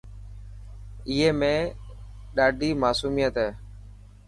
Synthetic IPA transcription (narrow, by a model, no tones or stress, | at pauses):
ɪɦeːmẽː | ɗaːɖʱiːmaːsuːmijət̪ɦɛː